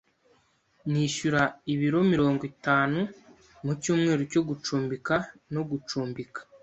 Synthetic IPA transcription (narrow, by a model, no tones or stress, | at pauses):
niʃuɾaiβiɾo̞miɾo̞ːŋɡitaːnu | mucuːmŋe̞ːɾoco̞ɡut͡ʃuːmbikano̞ɡut͡ʃuːmbikḁ